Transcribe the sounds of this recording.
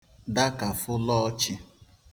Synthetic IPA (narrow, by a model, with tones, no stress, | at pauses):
da˦ka˨fʊ˦lɔ˦t͡ʃɪ˨